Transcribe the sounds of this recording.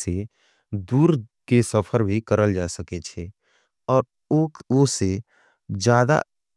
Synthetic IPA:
se | d̪uːɾkesəpʰəɾbʱikəɾəld͡ʒaːsəket͡ʃʰe | ɔːɾ | ose | d͡ʒjaːd̪a̰

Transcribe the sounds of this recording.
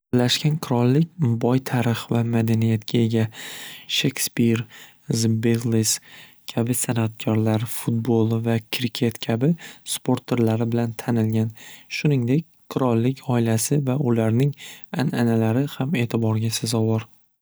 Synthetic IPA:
laʃkʲanqʰɨɾɒlˠːɪkʲbɒjt̪ʰaɾɪχvamad̪anijat̪kʲʰae̞ɡʲaʃe̞kʲspiɾ | zbeʁlˠis | kʲʰabɪsanat̪̚kʲʰɒɾlaɾfut̪̚bolˠvakʲʰɾkʲʰe̞t̪kʲʰabɪspʰo̞ɾt̪ʰe̞ɾlaɾɪbɪlant̪ʰanɪlɡʲanʃʊnɪŋd̪e̞kʲqʰɨɾɒlˠːɪkʲʰɒɪlasɪvaʔʊlaɾnɪŋananalaɾɪhame̞ːt̪ʰɪbɒɾɡʲasazɒwɒɾ

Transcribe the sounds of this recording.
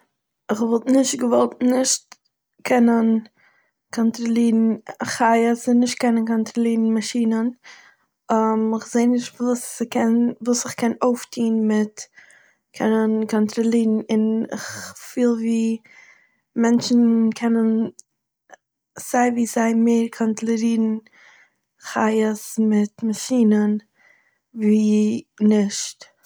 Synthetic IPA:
ɪχvɔlˠtnɪʃtɡəvɔlˠt̚nɪʃt | kʰɛnən | kʰɔntɾɔlˠiːɾn̩aχaɪəzɪnɪʃt̚kɛnənkɔntɾɔlˠiːɾn̩maʃiːnən | amɪχz̥eɪnɪʃtvuːskʰɛnvuːsɪχkɛnoʊftʰiːnmɪt | kʰɛnənkʰɔntɾɔlˠiːɾn̩ɪnɪ̰χfiːlˠviː | mɛnt͡ʃn̩kʰɛnən | z̥aɪviːzaɪmeɪɾkʰɔntlˠɛɾiːɾn̩ | χaɪəsmɪtmaʃiːnən | viːnɪʃt

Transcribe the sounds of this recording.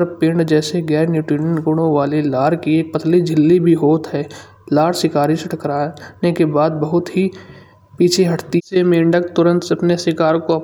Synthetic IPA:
ɾpɪ̃ɳɖd͡ʒɛːseɡɛːɾnjuːʈɾiːnəɳʈɡʊɽ̃õʋaːlelaːɾkieːk̚pɐt̪ʰlid͡ʒʱɪlːibʱiɦoːt̪ɦɛː | laːɾsɪkaːɾiseʈʰəkɾaːnekebaːd̪̚bɐɦʊt̪ɦi | piːt͡ʃʰeɦɐʈʰt̪iːsemẽːɳɖəkt̪ʊɾə̃nt̪sɐpnesɪkaːɾkoɐ

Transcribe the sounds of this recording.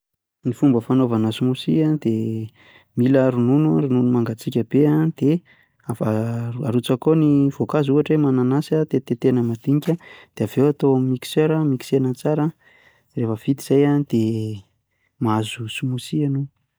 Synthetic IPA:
nifumbəfanovanəsumusiad̪̥e | miləɾununuɾununumaŋɡat͡sikʲəb̥eand̪̥e | afaaɾut͡sakoniv̥okazuaʈ͡ʂwemananasat̪et̪et̪enəmad̪̥iɲikʲad̪̥eavewat̪oamimiki̥søɾəmiki̥senət͡saɾə | refəv̥it̪iz̥ajanid̪̥e | maazusumusianu

